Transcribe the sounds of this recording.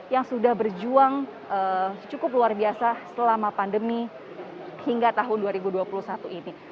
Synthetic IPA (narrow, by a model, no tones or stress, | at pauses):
jaŋsudahbərd͡ʒuaŋ | ət͡ʃukʊpluarbiasasəlamapandəmi | hiŋɡat̪aɦʊnduaɾibuduapulusat̪uini